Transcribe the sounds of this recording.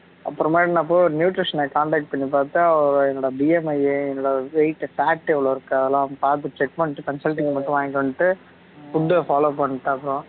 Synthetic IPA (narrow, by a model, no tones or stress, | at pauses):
ɐ̰pːɯɾɐ̃maːɾɽinaːp̬ːoːjɔɾɯnjuːʈɾɪʂɐnɐkaːɳɖaːk̚ʈ̚pɐɳːipaːɾt̪ɯɐʋɐɾ̃ɛnɔːɽɐbiːɛmɐjeɛnɔːɽɐʋɐɪʈːfaːʈːɛʋɐloːɪɾɯkːɐðɐlãːpaːɾt̪̬ɯt͡ʃɛk̚pɐɳːʈːɯkɐnsɐlʈːɪŋmɐʈːʊ̃ʋãːŋkɐɐɳːɯʈːɯ | fʊdːɯfaːloːpɐɳːɯʈːɯɐpːɯɾõ